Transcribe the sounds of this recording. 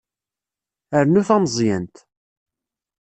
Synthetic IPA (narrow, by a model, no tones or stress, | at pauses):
əɾnuθæmzˤjənt̪